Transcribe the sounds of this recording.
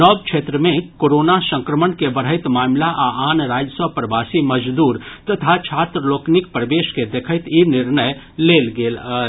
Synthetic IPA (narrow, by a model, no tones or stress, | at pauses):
nɔːbkt͡ʃʰeːt̪ɾəmẽkoːɾoːnasə̃ŋkɾəmənkebəɽɦəɪt̪maːmlaʔaaːnɾaːd͡ʒəsəbpɾəbaːsiməd͡ʒd̪uːɾt̪ɐt̪ʰat͡ʃʰaːt̪ɾəloːknɪkpɾəʋeːʃked̪ekʰət̪inɪɾnəj | leːlɡeːl